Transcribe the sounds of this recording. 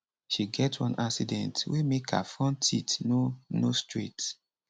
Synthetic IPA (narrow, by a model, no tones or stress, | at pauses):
ʃiɡɛtʰwɔ̰̃nʔaksidɛ̃ntwemekʰa̰fɔ̃ntʰitnonostɹit